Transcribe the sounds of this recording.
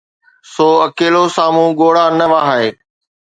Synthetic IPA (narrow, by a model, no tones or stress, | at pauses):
soːɐkeːlosaːmũːɠoːɽaːnəʋaːɦaeː